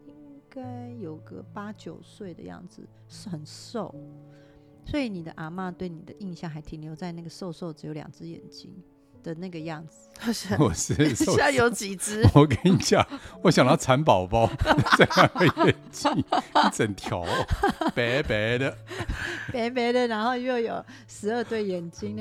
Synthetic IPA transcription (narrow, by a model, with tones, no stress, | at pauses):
i˥ŋka˥ɪjo˨˩ʊɡə̰˧pa˥t͡ɕjo˨˩ʊswe˥˩ɪd̪ə̰˦jɑ̰˥˩ŋd͡zɹ̩˩ | ʂɻ̩˥˩xə˨˩nso˥˨˩ʊ | swɔ˧˥i˧˦ni˨˩d̪ə̰˦ʔa˨˩ma˥˧t̪we˥˩ɪni˨˩d̪ə˦ʔi˥˧nɕjɑ˥˩ŋxa˧˥ɪt̪ʰi˨˩ŋljo˧˥ʊt͡sa˥˧ɪna˥˩ɡə˩ʂo˥˧ʊʂo˥˩ʊʈ͡ʂɻ̩˧˥jo˧˥ʊjɑ̰˨˩ŋt͡sɹ̩˥jɛ̰˨˩nt͡ɕi˥ŋ | d̪̥ə˨na˥˩ɡə˩jɑ˥˩ŋd͡zɹ̩˨˩˥wɔ˨˩ʂ̩˥˩˥jo˨˥ʊt͡ɕi˨˩t͡sɹ̩˥wɔ˨˩ke˧˦ni˥˩t͡ɕja˥˩wɔ˧˦ɕjɑ˨ŋə˧˥˩a˧˥npɑ˨˩ʊpɑ˥ʊt͡sa˥˧jɑ˥˧˩ŋə˧jɛ˨˩nt͡ɕi˦˥ŋi˥t͡sə˨˩nt̪ʰjɑ˨˥˦ʊpe˨˧˥pe˨˥ɪd̪ə˧ | pe˧˥pe˧˥d̪ə˨ɻa˧˥nxo˥˧ʊjo˥˩˧ʊjo˨˩ʊ | ʂɻ̩˧˥ə˥˧t̪we˥˩ɪjɛ˨˩nt͡ɕi˥ŋ